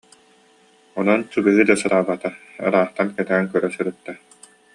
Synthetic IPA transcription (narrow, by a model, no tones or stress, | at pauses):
ɔnɔnsubɯɦɯd̪asaɾaːbat̪aa̰ɾaːχt̪ankɛt̪æːŋkœɾœsyɾɯt̪ːa